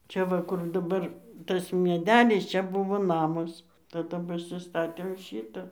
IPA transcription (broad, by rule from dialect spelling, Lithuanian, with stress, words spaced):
ˈt͡ʃʲɛ ʋɐ kʊr dɐˈbɐr ˈtɐs mʲiɛˈdʲæːlʲɪs ˈt͡ʃʲɛ ˈbʊʋoː ˈnɑːmɐs tɐˈdɐ pɐsʲɪˈstɑːtʲeːm ˈʃʲiːtɐ